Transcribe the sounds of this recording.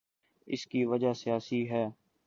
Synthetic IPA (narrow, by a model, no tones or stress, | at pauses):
ɪ̰skiʋəd͡ʒasijaːsiɦɛː